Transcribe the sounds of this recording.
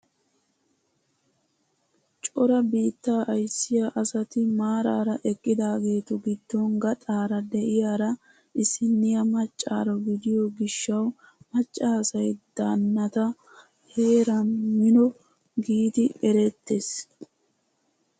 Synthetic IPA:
t͡ʃʼɔɾɐbiːt̪ːaːʔɐjsːɪjaːʔɐsɐt̪ɪmaːɾa̰ːɾɐʔɛkʼːɪd̪aːɡe̞ːt̪ɔɡɪd̪̥ːoŋɡɐt̪ʼaːɾɐd̪ɛʔɪjaːɾɐ | ʔɪsːɪnːɪjɐmɐt͡ʃʼːa̰ːɾɔɡɪd̪ɪjɔɡɪʃːɐw | mɐt͡ʃʼːaːsɐjd̪̥aːnːɐt̪ɐ | he̞ːɾɐmɪnɔ | ɡiːt̪ɪɛɾɛt̪ːes

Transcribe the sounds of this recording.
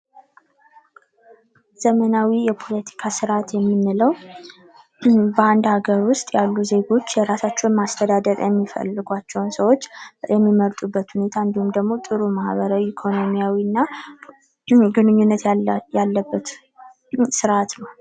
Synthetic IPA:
z̥əmənawijɛpʰo̞lət̪ʰi̥kʰasɨɾat̪jɛmːɨnːɨləw | bəand̪haɡəɾwʊst̪ʼjalːuze̞ɡo̞t͡ʃːjɛɾasat͡ʃːɛunmast̪ʰəd̪ad̪əɾjɛmːifə̰lːɨɡʷat͡ʃːɛwunsəwo̞t͡ʃːjɛmːiməɾt̪ʼubːət̪hune̞t̪ʰaɨnd̪ihumd̪əɡmo̞t̪ʼɨɾumahβəɾawiːkʰo̞no̞mijawiɨnːa | ɡɨnɨɲːunːət̪jalːəbːət̪ | sɨɾat̪nəw

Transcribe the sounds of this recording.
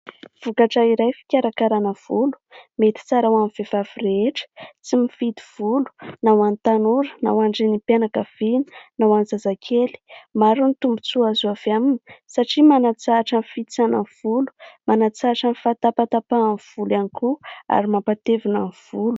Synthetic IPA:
v̥ukaʈ͡ʂaiɾajfi̥kʲaɾakaɾanəv̥ulu̥met̪i̥t͡saɾawamiv̥ev̥avireeʈ͡ʂə̥t͡simifid̪iv̥ulu̥nawanit̪anuɾəna̰waɳɖ͡ʐinipanakəv̥ini̥nawanzazakʰeli̥maɾunit̪umbut͡suazuavamini̥saʈ͡ʂimanat͡saʈ͡ʂənfit͡sanəv̥ulu̥manat͡saʈ͡ʂənifat̪apat̪apanv̥ulanikua̰ɾimampat̪evinanv̥ulu̥

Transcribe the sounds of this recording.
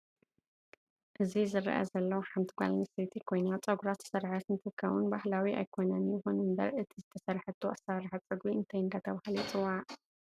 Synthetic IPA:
ʔɨzizɨɾ̰ʔa̰zɐlːɐwħamt̪ʰiɡʷa̰lnɐset̪ʰikʰo̞jnat͡sʼɐɡuɾat̪ɨ̥sɐɾħat̪nt̪ʰɨkʰːɐβunbahlawiʔa̰jkʰo̞nɐnjɪxonɨmd̪ɐ̰βʔɨt̪ʰizɨt̪ʰɐsɐɾħɨt̪ʰuʔasaɾħat͡sʼɨɡbiɨnt̪ʰɐjɨnd̪at̪ʰɐβahɨlit͡sʼɨwaʔ

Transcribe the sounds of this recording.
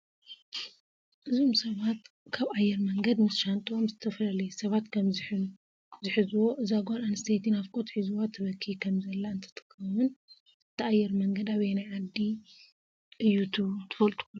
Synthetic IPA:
ʔɨzo̞msɐβat̪ | kʰaβajːɛɾmɐŋɡɐd̪mɨsʃant̪ʼomzɨt̪ʰɐflɐlɐsɐβat̪kʰɐmħ | zɨħɨzuwo̞ʔɨzaɡananst̪ʰet̪ʰinafkʼot̪ħizuwat̪ʰːɐβɐkʰːikʰɐmzɐlːaɨnt̪ʰɐ̥t̪ʼɨ̥kɐwɨn | ɨt̪ʰːiajːɛɾmɐŋɡɐd̪aβenaʕad̪ːi | ʔɨjːut̪ʰut̪ʰɨ̥fɐlt̪ʼu̥ku

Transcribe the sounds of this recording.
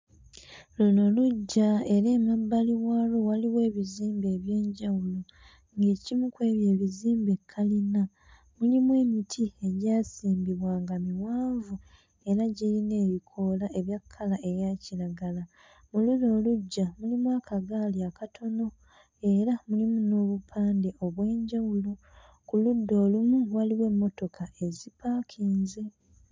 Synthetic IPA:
luno̞luɟːae̞ɾe̞ːmabːaliwaːlo̞waliwe̞ːβiziːmbe̞ːβjeːɲɟawulo̞ | ŋɡe̞ːcimukwe̞ːβje̞ːβiziːmbe̞kʰːalina | mulimwe̞ːmitʰie̞ɟaːsiːmbiβwaːŋɡamiwaːɱvu | e̞ɾaɟiline̞ːβikʰo̞ːlaʔe̞βjakʰːalaʔe̞ɾjaːciɾaɡala | muludo̞ːluɟːamulimwaːkaɡaːljakatʰo̞no̞ | e̞ɾamulimuno̞ːβupʰaːnde̞ʔo̞βwe̞ːɲɟawulu | kuludːo̞ːlumuwaliwe̞mːo̞to̞kʰaʔe̞zipʰaːkʰiːnze

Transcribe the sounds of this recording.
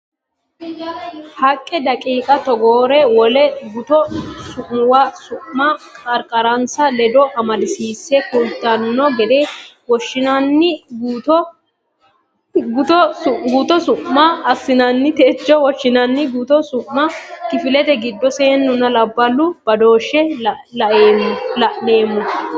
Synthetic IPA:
hɐkʼːɛd̪ɐkʼiːkʼɐt̪ɔɡoːɾɛwɔlɛɡʊt̪ɔsʊʔwasʊʔmakʼɐɾkʼɐɾɐnsɐlɛd̪ɔʔɐmɐlɪsiːsːɛkult̪ːanʊnɔɡɛd̪eː | wɔʃːɪnɐnːɪɡt̪ɔ | ɡʊt̪ɔʊɡuːt̪ɔsʊʔmɐɐsːɪnɐnːɪt̪eːt͡ʃːɔwɔʃːɪnɐnːɪɡuːt̪ɔsʊʔmɐkɪfɪlɛt̪ɛɡɪd̪ːɔseːnːʊnɐlɐbːɐlːʊb̥ɐd̪o̞ːʃːɛlɐʔeːmːlɐʔneːmːʊ

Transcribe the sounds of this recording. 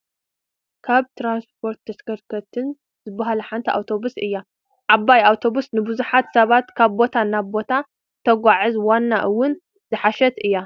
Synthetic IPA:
kʰaβt̪ʰɾanspʰo̞ɾt̪ʰːɐskɐɾkʰɐt̪ʰɨn | zɨbaɦalɐħant̪ʰɐʔa̰wt̪ʰo̞busʔɨjːa | ʕabːajawt̪ʰo̞busnɨbɨzuħat̪sɐβat̪kʰaβbo̞t̪ʰanaβbo̞t̪ʰa | t̪ʰɐɡʷaʕɨzwanːaʔɨwːʊn | zɨħaʃɛt̪ʔɨjːa

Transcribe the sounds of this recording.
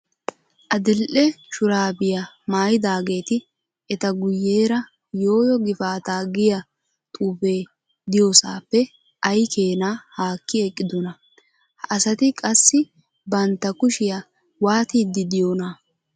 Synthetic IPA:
ʔɐd̪ɪlʔɛʃʊɾaːbɪjɐ | maːjɪd̪aːɡe̞ːt̪ɪ | ɛt̪ɐɡʊjːeːɾɐ | jo̞ːjɔɡɪfaːt̪aːɡɪjɐ | t̪ʼuːfe̞ː | d̪ɪjosa̰ːpːɛ | ʔɐjkeːnahaːkːɪɛkʼːɪd̪ɔnɐ | ɐsɐt̪ɪkʼɐsːɪ | bɐnt̪ːɐkʊʃɪjɐ | waːt̪iːd̪ːɪd̪ɪjoːnɐ

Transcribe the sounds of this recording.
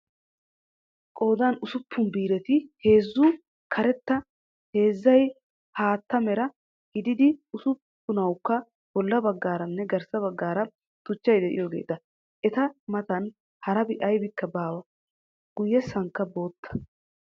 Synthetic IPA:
kʼo̞ːd̪ɐnʊsʊpːʊnbiːɾɛt̪ɪhe̞ːzːʊ | kʰɐɾɛt̪ːɐ | he̞ːzːɐj | haːt̪ːɐmɛɾɐ | hɪd̪ɪd̪ɪʊsʊpːʊnɐwkːɐ | b̥ɔlːɐbɐɡːaːɾɐnːɛɡɐɾsɐbɐɡːaːɾɐ | t̪ʊt͡ʃːɐjd̪ɛʔɪ̰joːɡe̞̰ːt̪ɐ | ʔɛt̪ɐmɐt̪ɐn | hɐɾɐbɪʔɐjbɪkːɐbaːwɐ | ɡ̥ʊjːɛsɐŋkːɐbo̞ːt̪ːɐ̥

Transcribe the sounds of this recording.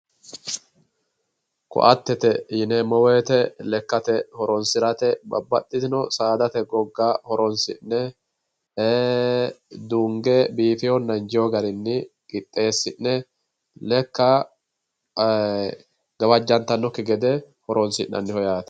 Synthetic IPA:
kɔ̰ʔɐt̪ːɛt̪ɛhɪnɛmɔweːt̪ɛlɛkːɐt̪ɛhɔɾɔnsɪɾɐt̪ɛbɐ̰bːɐ̰t̪ʼːɪt̪ɪnɔsaːd̪ɐt̪ɛɡɔɡːaːhɔɾɔnsɪ̰nːɛ | d̪uŋɡɛbiːfɪjɔnːɐnd͡ʒɪjɔɡɐɾɪnːɪkʼɪt̪ʼːe̞ːsːɪnːɛ | lɛkːɐ | ɡ̥ɐbɐd͡ʒːɐnt̪ɐnːɔkːɪɡɛd̪ɛ | hɔɾɔnsɪ̰ʔːɐ̰nːɪhɔjaːt̪ɐ̥

